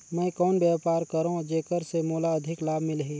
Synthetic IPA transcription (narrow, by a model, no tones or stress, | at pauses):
mɛ̃ːkɔːnbjaːpaːɾkəɾõd͡ʒeːkəɾsemoːlaɐd̪ʱɪklaːbmɪlɦiː